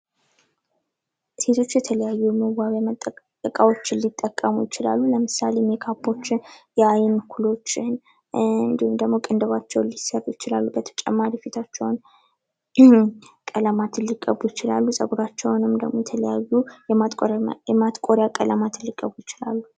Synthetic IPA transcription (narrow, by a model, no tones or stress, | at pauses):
se̞t̪ʰo̞t͡ʃːjɛt̪ʰələjajːuməwaβʼ | əkʼawo̞t͡ʃːɪnlit̪ʼːəkʼːəmujɪt͡ʃɪla̰lːuləmɨsalemjɛkʰapʰːo̞t͡ʃːɪnjɛajɪnkʰulo̞t͡ʃːɪn | ɨɨnd̪ihumd̪əɡmo̞kʼɨnd̪əβat͡ʃːɛwnlisərːjɪt͡ʃɪlalːubət̪ʰə̥t͡ʃʼɛmːaɾifit̪ʰat͡ʃːɛwn | kʼələmat̪ʰɨnliɡʼːə̰bujɪt͡ʃɪla̰lːusʼəɡuɾat͡ʃːɛwnɨmd̪əɡmojɛt̪ʰələjajːujɛɛmat̪kʼo̞ɾjakʼələmat̪ʰɨnliɡʼːəbujɪt͡ʃɪla̰lːu